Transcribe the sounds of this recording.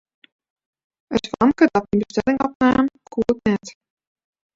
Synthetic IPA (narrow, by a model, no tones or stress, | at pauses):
əsfɑmkədɔt̚inbəstɛlɪŋɔpnaːmkʰuətnɛt